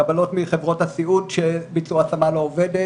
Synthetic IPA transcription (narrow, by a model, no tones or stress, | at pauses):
abalo̞tmiχevʁo̞thasiudʃebit͡suaasamalo̞ːvede